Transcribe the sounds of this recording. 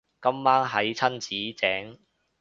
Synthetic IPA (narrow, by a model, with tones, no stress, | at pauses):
kɐ˥mːaː˥nɦɐ˨˥jt͡sʰɐ˥nt͡siː˨˥t͡sɛː˨˥ŋ